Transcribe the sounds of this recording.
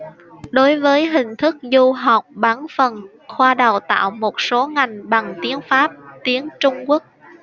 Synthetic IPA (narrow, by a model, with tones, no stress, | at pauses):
ɗo˨˦jvəː˨˦jɦï˨˩ŋ̟t̪ʰɨ˦˥k̚zu˧ɦa˨˩wk͡p̚ɓaː˨˦nfə˨˩n | xwaː˧ɗə˨˩wt̪a̰ː˧˨wmo˨˩t̚so˨˦ŋa˨˩jŋ̟ɓa˨˩ŋt̪i˨˦ənfaː˦˥p̚t̪i˨˦ənt͡ɕʊ˧ŋ͡mku˦˥ək̚